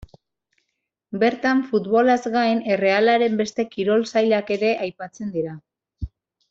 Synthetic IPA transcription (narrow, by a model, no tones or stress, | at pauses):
be̞ɾt̪aɱfut̪βo̞lazɣajne̞re̞alaɾe̞mbe̞st̪e̞kiɾo̞lsajlake̞ɾe̞ʔajpat͡se̞nd̪iɾa